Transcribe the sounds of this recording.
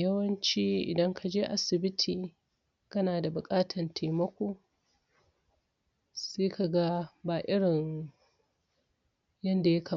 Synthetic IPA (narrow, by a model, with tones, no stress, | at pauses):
jɐ˦wɐ˦nt͡ʃiː˦ʔɪ̰˨dɐ˦ŋkʰa˨d͡ʒeː˦ʔa˦sɪ˨bɪ˦tʰiː˨ | kɐ˦naː˨da˨bʊ˨kʼaː˦tʰɐ˨ntʰa˨jmɐ˦kʷoː˦ | seː˦kʰa˨ɡa˦baː˨ʔɪ˦ɽɪ˨ŋ | jɐ˦nda˨jɐ˦ka˨